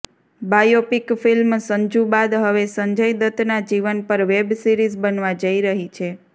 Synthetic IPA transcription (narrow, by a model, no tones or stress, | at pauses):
bajopikfilmsə̃ɲd͡ʒũbad̪ɦəʋesə̃ɲd͡ʒəjd̪ət̪nad͡ʒiʋənpəɾʋebsiɾizbənʋad͡ʒəiɾəɦit͡ʃʰe